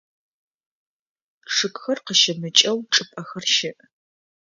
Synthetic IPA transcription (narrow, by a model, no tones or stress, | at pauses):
ʂɨkʷʼxɐrqəʃɐmɨt͡ʃʼɐwʈ͡ʂʼɨpʼɐxɐrʃɪʔ